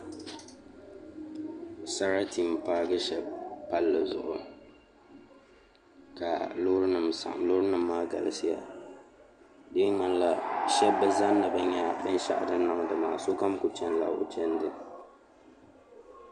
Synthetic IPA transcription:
sa˦ɾa˦ti˨m˨paː˦ɡɨ˦ʃɛ˨pa˦lːɨ˨zʊ̰˨ʔʊ˨ | ka˨lʊ˦ɾɨ˦nɨ˨msa̰˨ʔlo˦ɾɨ˦nɨ˨mːaː˦ɡa̰˨lɨ˨sɨ˦ja̰˨ | de˦ŋa˦nla˨ʃɛ˦bɨ˦za˦nːɨ˨bɛ˦ɲɛ˦bɨ˦n˦ʃa̰˦ʔa˨dɨ˦na˨ŋ˨dɨ˨maː˨so˦ka˦m˦kʊ˨t͡ʃɛ˦nla̰˨ʊ̰˨t͡ʃɛ˦ndɨ˦

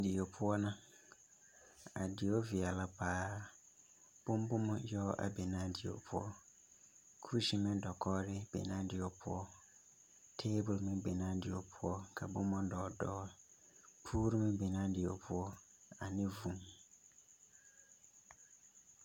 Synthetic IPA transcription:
dɪ˨ɔ˨pʰʊ˦ɔ˦nʊ̃˦ | a̰˨dɪ˨ɔ˦vi˨a˨la˨pʰaː˨˦ | b̥ʊ̃˦m˦bʊ˦mʊ̃˦jɔ˦ʔa̰˨bɛ˨nã˦dɪ˨ɔ̰˨pʰʊ˦ɔ˦ | kʰu˦u˦si˦mɪ̃˦dɔ˨kʰɔː˦ɾɪ˦b̥ɛ̰˨nã˦dɪ˨ɔ˨pʰʊ̰˦ɔ˦ | tʰeː˦bʊ˨lmɪ̃˦bɛ˨nã˦dɪ˨ɔ˨pʰʊ˦ɔ˦kʰa˨bʊ̃˦mʊ̃˦dɔː˨dɔː˦ | pʰuː˦ɾu˦mɪ̃˦bɛ˨nã˦dɪ˨ɔ˨pʰʊ˦ɔ˦ | a˨nɪ̃˦vũ˨m˨

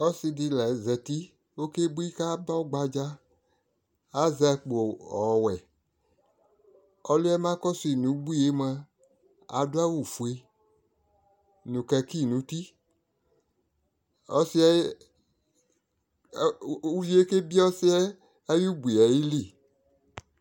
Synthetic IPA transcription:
ɔ˦si˧di˧lɛ˨˦zɛ˨ti˦ | o˦ke˦bu˦i˦ka˦ba˦o˦ɡ͡ba˧d͡ʒa˦ | a˦zɛ˧˨k͡po˨ɔ˨wɛ˨ | ɔ˦li˦ɛ˦mã˦kɔ˦su˧i˨nũ˨˦ɡ͡bu˦i˦˨e˦ma˧ | a̰˨du˦a˦wu˨fu˨e˧ | nũ˨kɛ˧ki˦˨nũ˨˦ti˦ | ɔ˦si˦ɛ˦ | u˦ji˦e˦ke˦bi˦ɔ˦si˦ɛː˦ | ju˦ɡ͡bu˨ɛ˨ji˦li˦˨

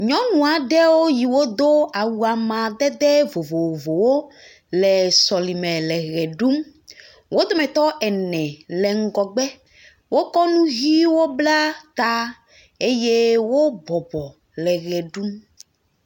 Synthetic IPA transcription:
ɲɔ̃˦nũ˨a˨ɖɛ˦wo˦ji˨wo˦d̪o˦a˨wu˨a˨mã˨d̪ɛ˦d̪ɛ˦vo˨vo˨wo˨vo˨wo˦ | lɛ˨sɔ˨li˨mɛ̃˨lɛ˨ɣɛ˨ɖu˦m | wo˦d̪o˦mɛ̃˨t̪ɔ˦ʔɛ˨nɛ̃˨lɛ˨ŋ̩˦ɡɔ˨ɡ͡bɛ˦ | wo˦kɔ˦nũ˦ɣi˦wo˦bla˦t̪a˦ | e˦je˦wo˦bɔ˨bɔ˨ | lɛ˨ɣɛ˨ɖu˦m

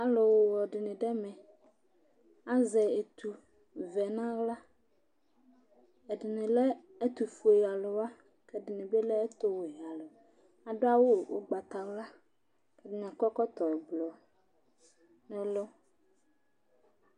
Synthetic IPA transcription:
a˨lo˨wo˨wɔ˨ɖɪ˨nɪ̃˨ɖɛ˦mɛ̃˨ | a˦zɛ˨e˨t̪ʰu˨ | vɛ˨nã˦ɣla˦ | ɛ˨ɖɪ˨nɪ̃˨lɛ˦ | ɛ˦t̪u˨fu˨e˨ja˨lo˨wa˦ | kɛ˦ɖɪ˨nɪ̃˨be˦lɛ˦ɛ˦t̪o˦wo˨e˨a˨lo˨ | a˨ɖo˦a˦wo˦˨wo̰˦ɡ͡ba˨t̪a˨wla˦ | kɛ˦dɪ˦ɲã˨kɔ˦kɔ˦t̪ɔ˨ɛ˨blɔ˨ | nɛ̃˨lo˦

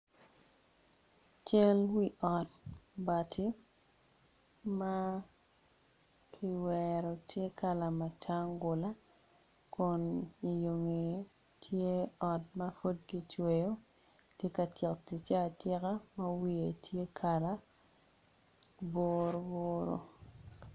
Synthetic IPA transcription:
t͡ʃɛ˦lwi˦ʔɔ˨t̚ba˨tʰi˦ | ma˦ | kʰi˦wɛɾɔ˨tʰje˦ka˦la˨ma˨tʰa˦ŋɡʊ˨la˦ | kʊ˨ni˨jo˨ŋe˨ | tʰje˦ɔ˨t̚mɐ˦fo˦d̚ɡi˦t͡ʃwe˨jo˦ | tje˦ka˨tjɛ˨kti˨t͡ʃa˦˨tjɛ˦ka˦mɐ˦wi˦e˨tʰje˦kʰa˨la˦ | bo˦ɾo˦boːɾo̰˨

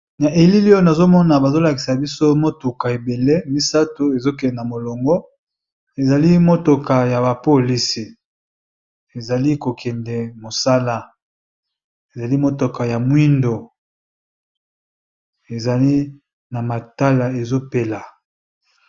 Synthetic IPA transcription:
na˨ʔe˨li˦li˦o˦na˨zo˦mɔ˦na˨ba˨zo˦la˨ki˨sa˨bi˦so˦mo˦tu˨ka˨e˨be˨le˦mi˦sa˦to˨e˨zo˦k̬ɛ˨na˨mo˨lo˨ŋɡɔ˦ | e˨za˨li˦mo˦to˨ka˨ja˨ba˨po˦li˦si˨ | e˨za˨li˦ko˨kʰɛ˨ndɛ˨mo˨sa˦la˦˨ | e˨za˨li˦mo˦to˨ka˨ja˨mwi˦ndo˨ | e˨za˨li˦ | na˨ma˨ta˦la˨e˨zo˦pe˦la˨

